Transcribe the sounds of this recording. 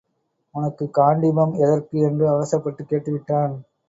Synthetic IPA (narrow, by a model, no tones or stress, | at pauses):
ʊnɐkːɯkaːɳɖɪmɐmɛðɐɾkɯɛndrɯɐʋɐsɐpːɐʈːɯkːeːʈːɯʋɪʈːaːn